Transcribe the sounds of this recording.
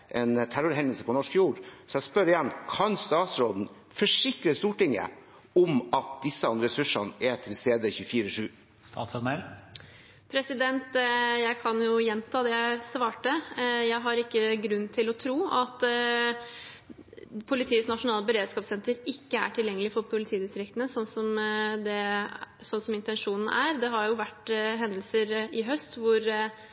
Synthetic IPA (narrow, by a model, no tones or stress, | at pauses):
ʔɛnt̪ʰæɾʊɾɦɛnəlsəpʰɔnɔʂkjuːɾsɔɛɡspœɾɪjɛnːkʰɑnst̪ɑːt̪sɾoːd̪n̩ | fɔʂɪkɾəst̪uːʈɪŋːə̰ | ɔmɑt̪̚d̪ɪsəɑnd̪ɾəɾɛsʉʂɑnɛt̪ʰɪlst̪eːd̪əçʉːfiːɾəʂʉː | st̪ɑ̰ːt̪sɔnəɾ | pʰɾɛsɪd̪ɛnt̪jæɪkʰɑnjʊjɛnt̪ʰɑːd̪ɛjæɪsʋɑːʈəjæɪɦɑɾɪkːəɡɾʉnːt̪ʰɪlɔt̪ʰɾuːɑt̪ | pʰʊlɪt̪ʰiːsnɑʂʊnɑːləbəɾeːd̪skɑːpsɛnt̪əɾɪkːəæ̰ʈʰɪljɛŋːəlɪfɔɾpʰʊlɪt̪ʰiːd̪ɪst̪ɾɪkt̪ənəsɔnːsɔmd̪ɛsɔnsɔmɪnt̪ɛnʂuːnn̩ʔæɾd̪ɛɦɑɾjʊʋæʈɦɛnd̪əl̩səɾɪɦœst̪ʋʊɾ